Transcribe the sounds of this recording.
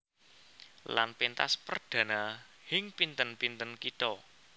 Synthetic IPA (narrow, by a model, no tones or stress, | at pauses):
la̰npint̪a̰spərd̪̥ä̤nahɪŋpint̪ənpint̪ənkit̪ɔ